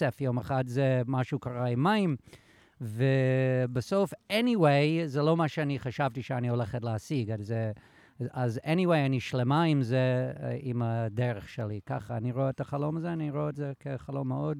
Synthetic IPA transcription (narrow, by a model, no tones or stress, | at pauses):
ɛfjomeχatzɛmaʃukʰaʁaimːaĩm | vɛbasofɛniweɪzɛlomaʃəaniχaʃavtiʃəaniholɛχətleasiɡazɛ | azɛniweɪaniʃlemaimzɛimadɛʁəχʃɛlika̰χaːniʁoɛtaχalomazɛaniʁoɛtzɛkʰeχalomːeod̚